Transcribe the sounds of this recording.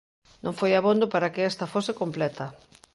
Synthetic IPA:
nõŋfojaβond̪opaɾakeɛst̪ɐfosɪkomplɛt̪ɐ

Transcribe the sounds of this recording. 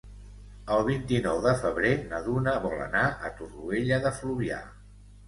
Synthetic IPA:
əlˠβ̞int̪inɔwðəfəβ̞ɾenəðunəβɔlˠə̰naʔə̰t̪urueʎəðəfluβia̰

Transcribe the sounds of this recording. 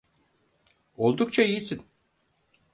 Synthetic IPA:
o̞lˠd̪ukt͡ʃʰaijisin

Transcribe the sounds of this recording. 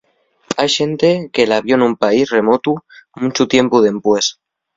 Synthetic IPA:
ajʃe̞nt̪e̞kelaβjo̞enumpaisre̞mo̞t̪umũt͡ʃut̪je̞mpuð̞e̞mpwe̞s

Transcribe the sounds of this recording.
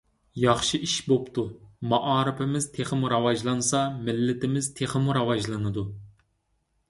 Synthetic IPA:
jɑχʃiʔiʃbopt̪ʰumɑʔɑːɾɪpʰɪmɪzt̪ʰeχəmuɾɑwɑʒlˠɑnsɑmɪlːɪt̪ɪmɪz̥t̪ʰeχɪmuɾɑwɑʒlˠɨnɨd̪u

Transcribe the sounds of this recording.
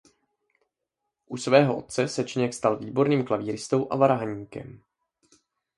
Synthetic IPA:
ʔusvɛːɦoʔo̞̰t̪̚t͡sɛsɛt͡ʃɪɲɛkst̪alviːbo̞ɾniːmklaviːɾɪst̪o̞wʔa̰vaɾaɦaɲiːkɛ̰m

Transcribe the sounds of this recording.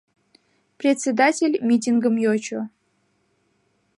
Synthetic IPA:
prʲetʲsʲed̪atʲelʲmʲitʲiŋɡəmjot͡ɕʰo

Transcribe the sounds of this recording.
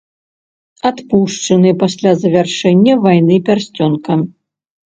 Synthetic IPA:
at̪puʂt͡ʂɐnɨpasʲlʲazɐvʲarʂɛnʲːɐvajnɨpʲarsʲt͡sʲɔnkɐ

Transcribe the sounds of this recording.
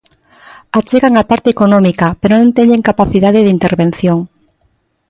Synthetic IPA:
at͡ʃeɣaŋapaɾt̪eekonɔ̃mikapeɾonõnt̪eɲʎeŋkapaθiðaðeðint̪eɾβen̟θjoŋ

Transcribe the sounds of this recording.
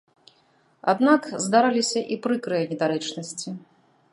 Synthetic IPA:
a̰d̪nakzd̪aɾalʲisʲɐʔipɾɨkɾɨjɐnʲɛd̪aɾɛt͡ʂnɐsʲt͡sʲi

